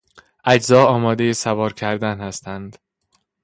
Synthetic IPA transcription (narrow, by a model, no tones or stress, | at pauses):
ʔæd͡ʒzɒːɒːmɒːd̪e̞jesævɒːɾcʰæɾd̪ænhæst̪ʰænd̪̥